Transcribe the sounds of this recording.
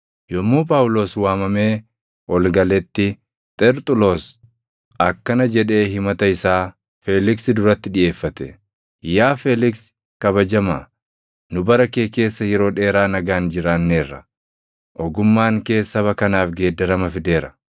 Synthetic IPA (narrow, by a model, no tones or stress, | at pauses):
jɔmːuːpʼaːwʊlo̞ːswaːmɐme̞ː | ʔɔlɡɐlɛt̪ːɪ | t̪ʼɛɾt̪ʼʊlo̞ːs | ɐkːɐnɐd͡ʒɛᶑe̞ːɦɪmɐt̪ɐɪsaː | feːlɪksɪd̪ʊɾɐt̪ːɪᶑɪʔe̞ːfːɐt̪ɛ | jaːfelɪks | kɐbɐd͡ʒɐmaː | nʊbɐɾɐke̞ːke̞ːsːɐjɛɾo̞ːᶑe̞ːɾaːnɐɡaːnd͡ʒɪɾaːnːe̞ːrːɐ̰ | ʔɔɡʊmːaːŋke̞ːsːɐbɐkɐnaːfɡe̞ːd̪ːɐɾɐmɐfɪd̪e̞ːɾɐ